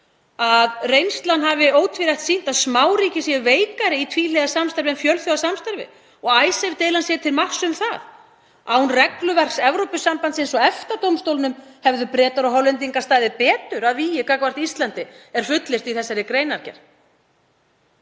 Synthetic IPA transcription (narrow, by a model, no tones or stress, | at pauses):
aðrejnst̪lanɦavɪoːwt̪ʰviɾajht̪siːn̥t̪aðsmaːwɾiːcɪsjɛʏveːjkaɾɪit̪ʰviːlɛeɣðasamst̪ɛɾvɪɛmfjœlθjoðasamst̪ɛɾvɪ̰ | ɔɣaːjsɛvɪt̪ejlansjɛt̪ʰɪlmahsʏmθað | a̰hunrɛklʏvɛr̥ksɛvɾowpʏsampant̪sejnsɔɛft̪at̪owmst̪owlnʏmhɛvðʏpɾɛːt̪aɾɔɦɔlɛnt̪̬iŋkast̪aːjðɪpɛːt̪ʏɾaðvijɪkakvar̥t̪iist̪lant̪ɪɛɾ̥fʏt̪lɪst̪iθɛsːaɾɪkɾeːjnaɾ̥cɛ̰ɾ̥